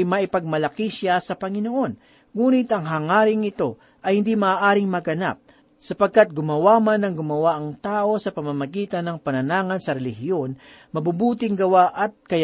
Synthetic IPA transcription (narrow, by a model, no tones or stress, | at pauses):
jmɐʔɪpɐɡ̚mɐlɐkɪʃasɐpɐŋɪnoʔo̞n | ŋuːnɪt̪ɐŋɦaːŋaːɾɪŋɪt̪o̞ | ʔɐjhɪnd̪imɐːʔaːɾɪŋmɐɡɐna̰p̚ | sɐpɐɡ̚kat̪̚ɡʊmɐwamanːɐŋɡʊmɐwaʔɐŋt̪aːʔo̞sɐpɐmamɐɡiːt̪ɐnːɐŋpɐnɐnaːŋɐnsɐɾɛlɪhɪo̞n | mɐbubuːt̪ɪŋɡɐwaʔɐt̪̚kɐj